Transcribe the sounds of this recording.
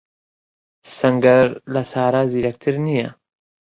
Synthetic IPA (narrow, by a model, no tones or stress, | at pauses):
sɐŋɡɐɾlasaːɾaziɾɐk̚t̪ʰiɾnija